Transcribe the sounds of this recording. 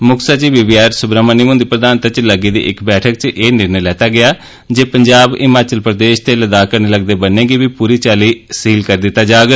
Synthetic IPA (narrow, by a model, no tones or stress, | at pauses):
mʊkʰsat͡ʃiːbɪʋiːaːɾsʊbɾaːmaːniːmʊ̃ːnd̪iːpɾəd̪aːnət̪at͡ʃləɡiːd̪ḭːʔɪkbɛːʈʰək̚t͡ʃʔeːnɪɾnəjlɛːt̪aːɡɪaː | d͡ʒeːpəɲd͡ʒaːbɪmaːt͡ʃəlpɾəd̪eːʃt̪eːləd̪aːkəɾneːləɡd̪eːbənːẽːɡiːbiːpuːɾiːt͡ʃaːliːsiːlkəɾd̪ɪt̪ːaːd͡ʒaːɡ